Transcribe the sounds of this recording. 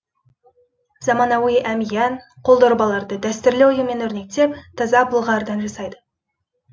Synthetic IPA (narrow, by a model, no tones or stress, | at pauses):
zɑmɑnɑwijʔæmijænqʰo̞lˠd̪oɾbɑlˠɑɾd̪əd̪æst̪ɪɾlewʊjəme̞nɵɾne̞k̚t̪e̞p̚t̪ʰɑzɑbəlˠʁɑɾd̪ɑnʒɑsɑjd̪ə